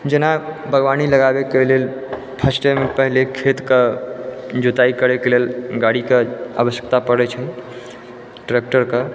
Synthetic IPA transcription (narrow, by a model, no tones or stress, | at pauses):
d͡ʒenabʱəɡʋaniləɡabekelel | pʰəsʈemepəɦlekʰet̪kə | d͡ʒot̪aikəɾekelelɡaɽikeabəsjə̥k̚t̪apəɾɛt͡ʃʰɛ | ʈɾek̚ʈəɾkə